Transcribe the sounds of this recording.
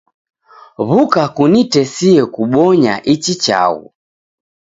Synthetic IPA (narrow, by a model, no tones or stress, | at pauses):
βukakunitɛsiɛkuɓɔɲa̰ʔit͡ʃit͡ʃa̰ɣṵ